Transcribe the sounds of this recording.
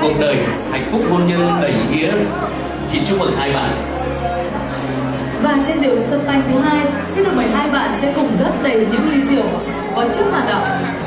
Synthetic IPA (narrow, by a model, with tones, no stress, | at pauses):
ko̰˨˧˩ŋ͡mt̪ʰəː˨˩jha̰˧˨jŋ̟fʊ˦˥k͡p̚ɓo˧nɲi˧əwa˧ɓə˨˧˩jʔḭ˧˦ə˦ | t͡ɕi˨˦ənt͡ɕʊ˦˥ŋ͡m̚mə˨˩k̚haː˧jɓa̰ː˧˨n | vaː˨˩t͡ɕɛ˧zḭ˧˨ə˨wsə˧˩p̚t̪a˧jŋt̪ʰɨ˨˦ɦaː˧j | t͡ɕi˧˦˥ɗo˨˩ɓə˨˩jɦaː˧jɓa̰ː˧˨nsɛ̰˧˥kʊ˨˩ŋ͡mzə˦˥p̚zə˨˩jɲɨ̰˧˥ŋli˧˦zi˧˩əw | kɔ˨˦t͡ɕɨ˦˥ək̚hwaː˧˨˩n̚ɗə̰˧˨wŋ͡mʔ